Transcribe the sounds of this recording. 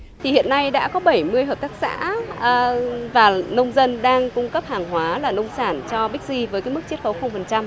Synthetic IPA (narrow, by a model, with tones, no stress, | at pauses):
t̪ʰi˨˩hḭ˧˨ənːa˧jɗa̰ː˧˥kɔ˨˦ɓə˧˩jmɨ˧əjɦəː˨˩p̚t̪aː˦˥k̚sa̰ː˧˥˨ | vaː˨˩nə˧wŋ͡mzə˧nɗaː˧ŋkʊ˧ŋ͡mkə˦˥p̚haː˨˩ŋɦwaː˨˦laː˨˩nə˧wŋ͡msaː˧˩nt͡ɕɔ˧ɓi˦˥k̟̚zi˧vəː˨˦kaː˨˦jmɨ˦˥k̚t͡ɕi˦˥ət̚xə˨˦wxə˧wŋ͡mfə˨˩nt͡ɕa˧m